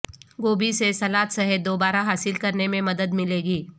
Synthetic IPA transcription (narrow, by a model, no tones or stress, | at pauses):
ɡoːbisesɐlaːt̪sɐɦɪd̪̚d̪oːbaːɾaɦaːsɪlkɐɾnemẽmɐd̪əd̪mɪleːɡiː